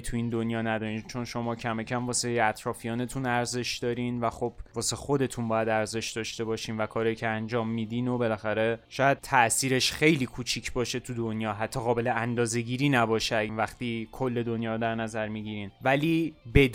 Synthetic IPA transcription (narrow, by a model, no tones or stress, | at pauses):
t̪ʰuiːnd̪o̞njɒːnæd̪ɒːɾiːnt͡ʃʰo̞nʃo̞mɒːcʰæme̞cʰæmvɒːseæt̪ʰɾɒːfijɒːne̞t̪ʰunæɾze̞ʃd̪ɒːɾiːnvæxob̥̚vɒːse̞xo̞d̪e̞t̪ʰunbɒːjæd̪æɾze̞ʃd̪ɒːʃt̪e̞bɒːʃiːnvækʰɒːɾɒːjicʰeænd͡ʒɒːmːiːd̪iːno̞be̞læxæɾe̞ʃɒːjæd̪̥̚t̪ʰæʔsiːɾe̞ʃxe̞jliːkʰuːt͡ʃʰicʰbɒːʃe̞t̪ʰud̪onjɒːɦæt̪ʰːɒːɣɒːbe̞leænd̪ɒːze̞ɟiːɾiːnæbɒːʃenvæxt̪iːkʰolːe̞d̪o̞njɒːɾod̪æɾnæzæɾmiɟiːɾiːnvæliːbe̞d̪